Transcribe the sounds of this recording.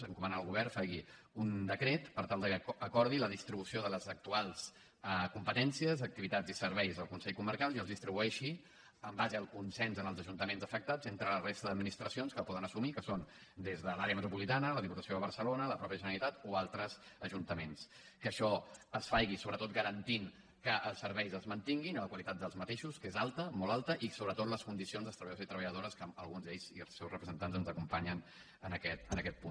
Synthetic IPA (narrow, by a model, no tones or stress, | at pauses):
əŋkumənaːlˠɣuβ̞ɛɾfajɣi | und̪əkɾet̪pəɾt̪alˠd̪əkəkɔɾð̞iləðist̪ɾiβusioðələzək̚t̪ualˠs | əkumpət̪ɛnsiəzək̚t̪iβit̪ad͡zisəɾβɛjzəlˠkunsɛʎkuməɾkalˠiəlzðist̪ɾiβuɛʃi | əmbazəːlˠkunsɛnzənəlˠzəʒunt̪əmenzəfək̚t̪azent̪ɾələrest̪əðəd̪minist̪ɾəsionskəlpɔðənəsumikəson | d̪ezðəlaɾeəmət̪ɾupulit̪anələðiput̪əsioðəβəɾsəlonələpɾɔpjəʒənəlit̪at̪oalˠt̪ɾəzəʒunt̪əmens | kəːʃɔəsfajɣisoβɾət̪ot̪̚ɡəɾənt̪iŋ | kəʔəlˠsəɾβɛjzəlˠzmənt̪iŋɡinələkwəlit̪at̪̚d̪əlˠzmət̪eʃuskezalˠt̪əmɔlˠalˠt̪əʔisoβɾət̪ot̪ləskund̪isionzðəlst̪ɾəβəʎəðozit̪ɾəβəʎəðoɾəskəəlˠɣunzd̪eʎz̥iəlˠsːɛwsrəpɾəzənt̪anzənzəkumpaɲən | ənəkɛt̪ənəkɛt̪̚pun